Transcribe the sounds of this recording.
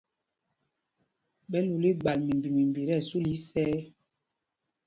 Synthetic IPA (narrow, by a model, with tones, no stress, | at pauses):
ɓɛ˦lu˨li˦ɡ͡ba˨lmi˨mbi˨mi˨mbi˨ɾɛ˦˨su˦li˦sɛ˦